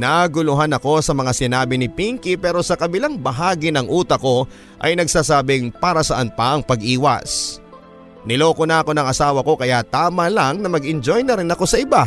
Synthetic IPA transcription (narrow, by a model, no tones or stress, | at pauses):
naɡʊlʊɦanɐko̞sɐmɐŋasɪnaːbɪnɪpiŋkipɛːɾo̞sɐkɐbɪlaŋbɐɦaːɡɪnɐŋʔuːt̪ɐko̞ | ʔɐ̰jnɐɡ̚saːsaːbɪŋpaːɾɐsɐʔanpaʔɐŋpɐɡʔiːwɐ̰s | nɪlo̞ːkʊnaɐko̞nɐŋɐsaːwɐko̞kɐjat̪aːmalaŋnɐmɐɡɪnd͡ʒo̞jnɐɾɪnɐko̞sɐʔɪba